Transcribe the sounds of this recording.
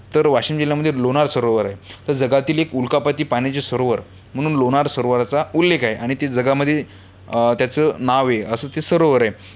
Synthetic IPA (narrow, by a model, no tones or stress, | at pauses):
t̪əɾʋaɕiːmd͡ʑiljaməd̪ʱjeloñaɾsəɾoʋəɾaɦet̪əɾd͡zəɡat̪iːlekulkapat̪iːpañat͡ɕesəɾoʋəɾ | m̤əɽ̃uːnloñaɾsəɾoʋəɾt͡saulːekʰaɦeʔaɽ̃it̪ed͡zəɡaməd̪ʱje | t̪jat͡səːnaʋeəsəːt̪esəɾoʋəɾaɦe